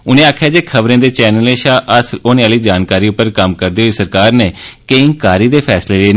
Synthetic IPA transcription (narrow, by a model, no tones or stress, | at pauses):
ʊnẽːaːkʰjaːd͡ʒeːkʰəʋɾẽːd̪eːt͡ʃɛːnəlẽːʃaːʔəsloːnẽaːliːd͡ʒaːnkaːɾiːʊpːəɾkəmkəɾd̪eːɦoiːsəɾkaːɾneːkẽːŋkaːɾiːd̪eːpʰɛːsleːleeː